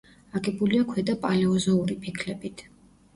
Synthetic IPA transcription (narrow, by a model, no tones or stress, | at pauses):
aɡɛbuliakʰwɛd̪apʼalɛɔzɔuɾipʰikʰlɛbit̪ʰ